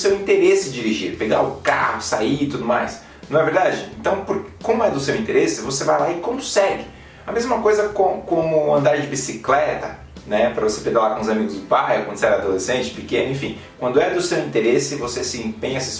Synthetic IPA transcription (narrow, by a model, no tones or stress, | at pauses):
sewĩnt̪eɾesɪd͡ʒiɾiʒiɾpeɡa̰ʊka̰hʊsaiit̪ud̪ʊmajs | nɐ̃w̃ɛveɾd̪ad͡ʒɪḛ̃nt̪ɐ̃w̃pʊɾkɪ̥kõmʊɛd̪ʊsewĩt̪eɾesɪvosevajlaɪkõmʊ̃sɛɡɪ | ɐmezmɐkojzɐkõkõmʊɐ̰̃nd̪aɾd͡ʒɪbisiklɛt̪ɐ̰ | nɛpɾɐvose̥peɡalakõʊzamiɡʊzd̪ʊpajkwɐ̃nd̪ʊseɛɾɐad̪olesẽnt͡ʃɪ̥pikẽnʊẽfĩ | kwɐ̃nd̪ʊɛd̪ʊsewĩt̪eɾesɪvosesĩẽpẽɲɐses